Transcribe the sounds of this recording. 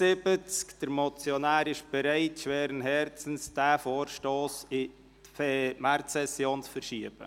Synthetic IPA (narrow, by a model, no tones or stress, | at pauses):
sɪb̥ət͡skd̥əɾmɔt͡sjonæːɾɪʃb̥ɛɾaɪtʃʋɛːɾənɦɛɾt͡sən̩sd̥æːfoːɾʃtoːsɪ | fɛmæɾtsɛsjoːnt͡sfəɾʃiəb̥ə̰